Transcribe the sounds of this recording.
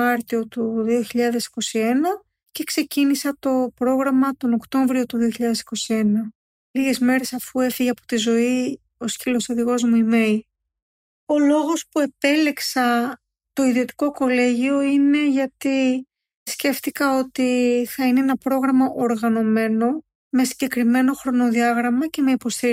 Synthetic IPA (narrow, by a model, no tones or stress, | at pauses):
ɐɾt̪io̞t̪uðio̞çiʎɐðe̞si̥ko̞sie̞nɐ | ce̞kse̞cinisɐt̪o̞pɾo̞ɣɾɐmɐt̪o̞nokt̪o̞ɱvɾio̞t̪uðio̞çiʎɐðe̞si̥ko̞sie̞nɐ | liɣe̞zme̞ɾe̞sɐfue̞fiʝeɐpo̞̥t̪izo̞i | o̞scilo̞sɐðiɣo̞zmuime̞l | o̞lo̞ɣo̞spue̞pe̞leksɐ | t̪o̞iðio̞t̪i̥koko̞le̞ʝio̞ine̞ʝɐt̪i | sce̞ft̪ikɐo̞t̪iθɐineenɐpɾo̞ɣɾɐmɐʔoɾɣɐno̞me̞no̞ | me̞siɲɟe̞kɾime̞no̞xɾo̞no̞ðiɐɣɾɐmɐce̞me̞ipo̞st̪i